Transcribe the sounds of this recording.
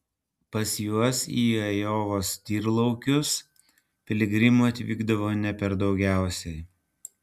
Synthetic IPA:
pɐsʲjuɔsiːɐjoːʋoːst̪ʲiːɾlˠɐʊkʲʊs | pʲɪlʲɪɡɾʲɪmuːɐt̪ʲʋʲiːɡd̪ɐʋoːnʲɛpʲɛɾd̪ɒʊɡʲæˑʊsʲɛɪ

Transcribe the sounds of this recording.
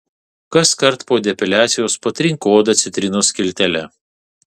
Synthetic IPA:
kɐskɐɾt̪poːd̪ʲɛpʲɪlʲæːt̪sʲɪjoːspɐt̪ʲɾʲɪŋkoːd̪ɐt̪sʲɪt̪ʲɾʲɪnoːskʲɪlʲt̪ʲɛlʲɛ

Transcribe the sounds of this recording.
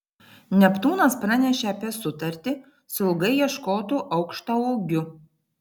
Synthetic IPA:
nʲɛpt̪uːnɐspɾɑnʲɛʃʲeɐpʲiɛsʊt̪ɐɾʲt̪ʲɪ | sɐlˠɡɐɪjiɛʃkoːt̪uːʔɐʊkʃt̪ɐoɡʲʊ

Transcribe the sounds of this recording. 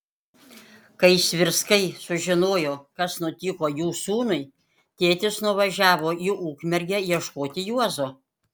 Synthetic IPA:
kɐɪsʲʋʲɪɾskɐɪsʊʒʲɪnoːjoːkɐsnʊt̪ʲikoːjuːsuːnʊɪ | t̪ʲeːt̪ʲɪsnʊʋɐʒʲæːʋoːiuːkmʲɛɾʲɡʲɛjiɛʃkoːt̪ʲɪjuɔzoː

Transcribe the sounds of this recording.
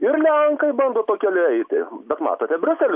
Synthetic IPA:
ɪrlʲɛŋkɐɪbɐnd̪oːt̪oːkʲɛlʲɪɛɪt̪ʲɪ̰bʲɛt̪mɑ̰ːt̪oːt̪ʲɛbʲɾʲʊsʲɛlʲʊ

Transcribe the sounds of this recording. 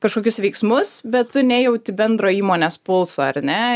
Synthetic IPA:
kɐʃkoːkʲʊsʋʲɛɪksmʊsbʲɛt̪tʊnʲeːjɛʊt̪ʲɪbʲɛnd̪ɾoːiːmoːnʲespʊlˠsoːɐ̰rnʲɛ

